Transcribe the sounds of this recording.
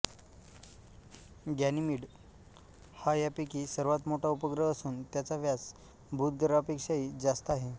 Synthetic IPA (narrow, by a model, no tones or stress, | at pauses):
ɡjanimiːɽ | hajapikiːsəɾʋat̪moʈʰaupəɡɾəəsuːnt̪jat͡saʋjat͡s | bʱuːt̪̚ɡəɾapekʂajiːd͡zast̪əaɦe